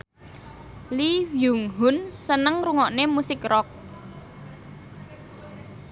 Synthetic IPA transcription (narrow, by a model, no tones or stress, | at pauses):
liwjuŋɦʊnsənəŋɾuŋɔʔnemusɪkrɔk̚